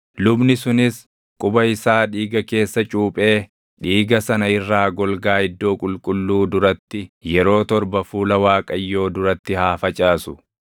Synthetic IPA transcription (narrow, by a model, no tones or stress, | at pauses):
lʊbnɪsʊnɪs | kʼʊbɐɪsaːᶑiːɡɐke̞ːsːɐt͡ʃʼuːpʼe̞ː | ᶑiːɡɐsɐnɐɪrːaːɡɔlɡaːɪd̪ːo̞ːkʼʊlkʼʊlːuːd̪ʊɾɐt̪ːɪjɛɾo̞ːt̪ɔɾbɐfuːlɐwaːkʼɐjːo̞ːd̪ʊɾɐt̪ːɪhaːfɐt͡ʃʼaːsʊ̥